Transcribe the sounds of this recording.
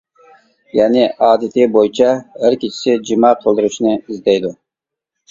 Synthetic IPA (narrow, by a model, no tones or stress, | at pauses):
jɛnɪʔɑːd̪ɪt̪ʰɪbojit͡ʃʰɑhæɾkʲit͡ʃʰi̥sɪd͡ʒimɑːqʰəlˠd̪ɨɾut͡ʃnɨizd̪ɛjd̪u